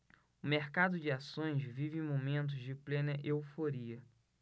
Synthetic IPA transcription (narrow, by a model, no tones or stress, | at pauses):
ʊmeɾkad̪ʊd͡ʒɪasõj̃ʃvivẽmomẽnt̪̬ʊzd͡ʒɪplẽnɐʔewfoɾiɐ